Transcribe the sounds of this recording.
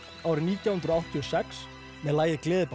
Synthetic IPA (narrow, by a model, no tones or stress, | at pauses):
aːwɾɪniːt̪jawhʏnt̪ɾɔawht̪ʰiɔsɛks | mɛðlaːjɪklɪːðɪp